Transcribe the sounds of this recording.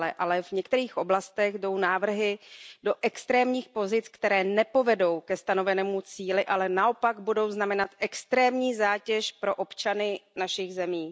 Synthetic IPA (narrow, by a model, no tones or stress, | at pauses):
lɛʔalɛvɲɛk̚t̪ɛɾiːxʔo̞blast̪ɛɣdo̞wnaːvr̩ɦɪdo̞ʔɛkst̪ɾɛːmɲiːxpo̞zɪt͡skt̪ɛɾɛːnɛpo̞vɛdo̞wkɛst̪ano̞vɛnɛːmut͡siːlɪʔalɛnaʔo̞paɡbudo̞wznamɛnat̪ʔɛkst̪ɾɛːmɲiːzaːcɛʃpɾo̞ʔo̞pt͡ʃanɪnaʃɪɣzɛmiː